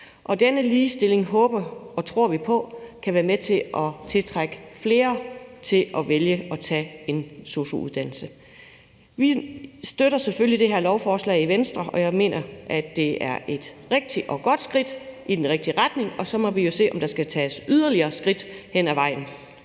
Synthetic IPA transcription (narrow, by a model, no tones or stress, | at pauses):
ʔɒ̽d̥enəliːsd̥e̝le̝ŋɦɔ̽ːb̥ɐɒ̽t͡sʰʁo̝ɐ̰ʋipʰɒ̽kʰæʋæːɐmet͡sʰe̝ɒ̽t͡sʰe̝lt͡sʰʁaɡ̥əfle̝ːɐt͡sʰe̝lʔɒ̽ʋeljəɒ̽t͡sʰɛ̰ːe̝nso̝ɕo̝uð̞ˠd̥æn̰l̩sə | ʋisd̥øɾɐsefølid̥e̝ɦeɐlɒʊfɒːslɛ̰ɪiʋensd̥ʁɐʔɒ̽jɑ̈ɪme̝̰ːnɐʔæd̥ːe̝æɐʔe̝d̥ʁeɡ̥̚d̥iʔɒ̽ɡ̥ɒ̽d̥sɡ̥ʁid̥ʔid̥enʁeɡ̥̚d̥iʁad̥ne̝ŋɒ̽sɒ̽mɒ̽ʋijo̝se̝̰ːʔɒ̽md̥ɑ̈sɡ̥æt͡sʰɛːsyðˠɐliɐːsɡ̥ʁid̥hen̰æʋɑ̈ɪ̰n̩